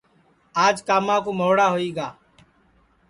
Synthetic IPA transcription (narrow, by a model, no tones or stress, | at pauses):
aːd͡ʒkaːmãːkuːmoːɽaːɦoːiːɡaː